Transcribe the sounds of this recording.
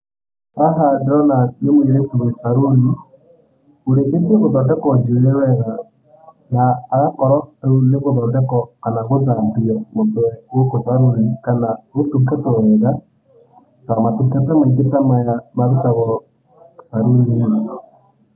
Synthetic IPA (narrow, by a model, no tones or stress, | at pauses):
aɦadeɾɔnanemoeɾetuesaɾoɾi | oɾeʔetieɣoðɔdɛkɔɲd͡ʒeeɾɛwɛɣa | naːɣakɔɾɔuneɣoðɔdɛkɔkanaɣoðapiɔmontowɛokosaɾoɾikanaɣotukatɛoɾɛɣa | tamatukatɛmaiɡetamajamaðutaɣɔ | saɾoɾia